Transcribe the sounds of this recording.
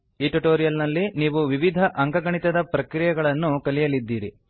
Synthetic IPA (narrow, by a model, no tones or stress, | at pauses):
iːʈuʈoːɾijɐlnɐlːiniːʋuʋiʋid̪ʱɐʔɐŋɡɐɡɐɳit̪ɐd̪ɐpɾɐkɾijɐɡɐɭɐnːukɐlijɐlid̪ːiːɾi